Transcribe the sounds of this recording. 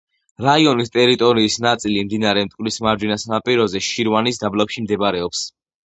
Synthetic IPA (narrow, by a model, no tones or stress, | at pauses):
ɾaiɔnist̪ʼɛɾit̪ʼɔɾiːsnat̪sʼilimd̪inaɾɛmt̪ʼkʼwlismaɾd͡ʒwinasanapʼiɾɔzɛʃiɾwanis̬d̪ablapʃimd̪ɛbɾɛɔps